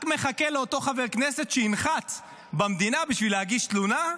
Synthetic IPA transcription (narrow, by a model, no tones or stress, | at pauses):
kmeχake̞leot̪o̞χave̞ʁkne̞se̞t̪ʃeinχat͡s | bamd̪inabiʃvileaɡiʃt̪luna